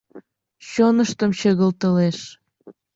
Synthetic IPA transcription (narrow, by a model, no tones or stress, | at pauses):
ɕonəʃt̪əmt͡ɕeɣəlt̪əleʃ